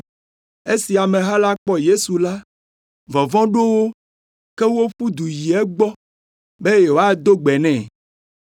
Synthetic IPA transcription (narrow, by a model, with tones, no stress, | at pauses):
e˦si˨a˨mẽ˨ɦa˦la˦k͡pɔ˦je˦su˨la˦ | vɔ˨vɔ̃˦ɖo˦wo˦ | ke˦wo˦ɸu˦d̪u˨ji˨ɛ˦ɡ͡bɔ˦ | be˦je˨wo˨˦a˦d̪o˦ɡ͡bɛ˨nɛ̃˦˨